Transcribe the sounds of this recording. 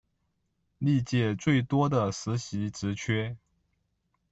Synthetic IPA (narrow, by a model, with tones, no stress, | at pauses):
li˥˧t͡ɕjɛ˥˧t͡swe˥˩ɪt̪wɔ˥d̪ə˨sɹ̩˧˥ɕi˧˥ʈ͡ʂɻ̩˧˥t͡ɕʰɥɛ˥